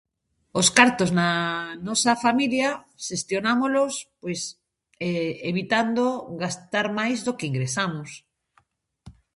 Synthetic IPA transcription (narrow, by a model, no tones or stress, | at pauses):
oskaɾt̪oznanɔsɐfamilja | ʃest̪jonamolospojs | eeβit̪and̪oɣast̪aɾmajzðokeiŋɡɾesamos